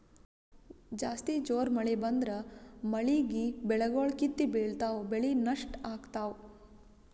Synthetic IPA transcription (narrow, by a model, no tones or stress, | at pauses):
d͡ʒaːst̪id͡ʒoːɾmɐɭebɐnd̪ɾɐmɐɭiɡibɛɭɐɡoːɭkit̪ːibeːɭt̪aːwbeɭinɐʂʈaːɡt̪aːw